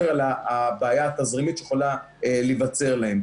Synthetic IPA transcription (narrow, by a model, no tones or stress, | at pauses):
ʁalaːbeːjaːt̪azʁimit̪ʃejeχola | elevat͡se̞ʁlahem